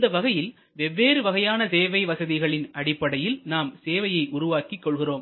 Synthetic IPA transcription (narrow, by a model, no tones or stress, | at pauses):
d̪ɐʋɐɣɐjɪl | ʋɛʋːeːɾɯʋɐɣɐjaːnɐseːʋɐɪʋɐsɐðɪɣɐɭɪnɐɽɪpːɐɽɐjɪlnaːmseːʋɐjɐɪʔʊɾʊʋaːkikːɔɭɣɪroːm